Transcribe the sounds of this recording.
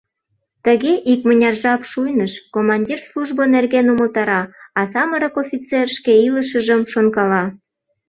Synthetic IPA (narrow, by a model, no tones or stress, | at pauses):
t̪əɣeʔikmənʲɑrʒɑpʃujnəʃkomɑnʲdʲirsluʒbənerɣenuməlt̪ɑɾɑɑsɑməɾəkofʲit͡serʃkeiləʃ̬əʒəmʃonkɑlɑ